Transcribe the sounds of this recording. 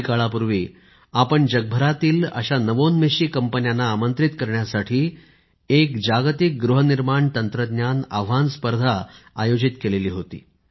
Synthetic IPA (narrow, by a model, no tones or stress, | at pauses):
kaɭapuɾʋiː | apəɳd͡ʑəɡ̚bʱəɾat̪iːlə̰ɕanəʋonmeɕiːkəmpənjanːaːmənt̪ɾit̪kəɾɳjasaʈʰiː | ekd͡ʑaɡt̪ik̚ɡɾuɦəniɾmaɳt̪ənt̪ɾəd̪njana̰ʋʋanspəɾd̪ʱa̰ːjod͡ʑit̪keleliːɦot̪ḭː